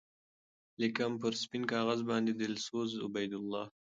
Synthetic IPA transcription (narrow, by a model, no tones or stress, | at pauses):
lɪkamp̬əɾspinkɑːɣazbɑnd̪ed̪ɪlsozʊ̰bajd̪ʊlːɑː